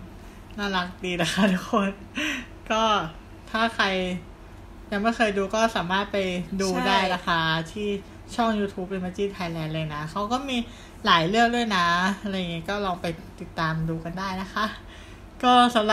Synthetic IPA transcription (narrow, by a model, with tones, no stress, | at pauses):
naː˥˩la˦˥k̚diː˧la˦˧˩kʰa˦˥t̪ʰu˦˥kʰo˧n | kɔː˥˩ | t̪ʰaː˥˩kʰa˧j | ja˨˩ŋma˥˩jxʰɤː˧jduː˧kɔː˥˩saː˨˩˦maː˥˩t̪̚pa˧jduː˧daː˥˩jna˦˥kʰa˥˩t̪ʰiː˥˩ | t͡ɕʰɔ˥˩ŋjuː˧t̪ʰuː˦˥p̚li˧ma˧˥t͡ɕiː˥˩nt̪ʰa˧jlɛː˧nlɤː˧jna˦˥kʰa˦˥wkɔː˥˩miː˧ | laː˩˦jlɯ˥˩ək̚du˥˩əjna˦˥a˧ɾːŋi˦˥kɔː˥˩lɔː˧ŋpa˧jt̪i˨˩t̪ːaː˧mduː˧ka˧ndaː˥˩jna˦˥xʰa˦˥ʔ | kɔː˥˩sa˨˦mla˨˩